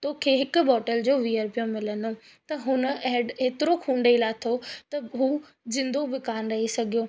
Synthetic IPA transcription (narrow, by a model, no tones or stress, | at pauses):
t̪oːkʰeːɦɪkʊ̆bɔːʈəld͡ʑoːʋijəɾpijõmɪləno | t̪ɐɦʊnə̆ɛɦɖeːt̪ɪɾokʰũːɳɖelat̪ʰot̪ɐɦuː | zɪ̃nd̪obɪkaːnɾɐɦisɐɡʱijoː